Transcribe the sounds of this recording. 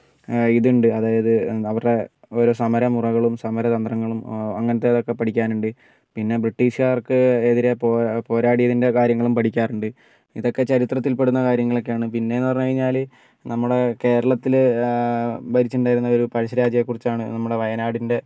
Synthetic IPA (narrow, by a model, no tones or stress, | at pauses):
iðuɳɖɨɐðaːjɐðɨɐʋɐrɽe̞ | oɾoːsɐmɐɾɐmurɐɣɐɭumsɐmɐɾɐt̪ɐnd̪rɐŋːɐɭumɐŋːɐnɐt̪ːe̞ɐðo̞kːe̞pɐʈʰikʲːaːnuɳɖɨ | pinːe̞briʈːiːʂjaːrkɨeðiɾe̞poːpo̞ːɾaːɽijɐðinde̞kaːɾjɐŋːɐɭumpɐʈʰikʲːaːruɳɖɨ | ḭðo̞kːe̞t͡ɕɐɾit̪rɐt̪ːilpe̞ɽunːɐkaːɾjɐŋːɐɭo̞kːeaːɳɨpinːe̞nːɨpɐrɲːukɐɻiɲːaːl | nɐmːuɽe̞ke̞ːɾɐɭɐt̪ːil | bɐɾit͡ɕːuɳɖaːjiɾunːɐo̞ɾupɐɾɐɕɐɾaːd͡ʑɐjekːurit͡ɕːaːɳɨnɐmːuɽe̞ʋɐjɐnaːɽinde̞